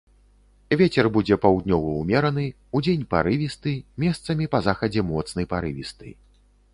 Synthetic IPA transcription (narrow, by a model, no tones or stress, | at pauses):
vʲet͡sʲɛrbud͡zʲɛpawd̪nʲɔvɐumʲɛɾɐn̪ɨ | ud͡zʲenʲpa̰ɾɨvʲist̪ɨmʲɛst̪sɐmʲipɐzaxɐd͡zʲɛmɔt̪snɐjpaɾɨvʲist̪ɨ̰